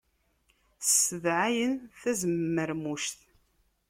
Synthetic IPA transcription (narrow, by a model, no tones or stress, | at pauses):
ssəvʕajənθæzəmːəɾmuʃθ